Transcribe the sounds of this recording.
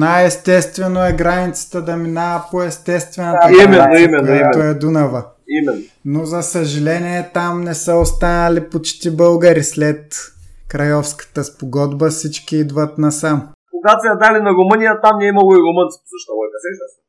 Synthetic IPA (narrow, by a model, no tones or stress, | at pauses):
najɛst̪ɛst̪vɛnoɛɡɾanit̪sə̥t̪əd̪ɐminaəpoɛst̪ɛst̪vɛnɐt̪əmɛnːoimɛnit̪oɛd̪unɐvə | imɛnːo | nozɐsɐʒɐlɛniɛt̪amnɛsəost̪anɐlipot͡ʃt̪ibɤlˠɡɐɾislɛt̪kɾɐjɔfskə̥t̪əspoɡɔd̪bəsit͡ʃkiid̪vət̪nɐsamkoɡ̪at̪ɛɐd̪alinɐɾomɤnʲijət̪amniɛimɐlˠoiɾomɤntsko̥əʃt̪ɔvɔkɐsɛɛ